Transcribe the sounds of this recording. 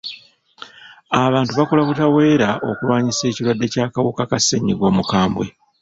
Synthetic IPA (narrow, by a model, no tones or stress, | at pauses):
aβaːntuβakolakutawe̞ːɾaʔo̞̰kulwaːɲise̞ːcilwadːe̞caːkawukakasːeɲːiɡo̞ːmukaːmbwe̞̰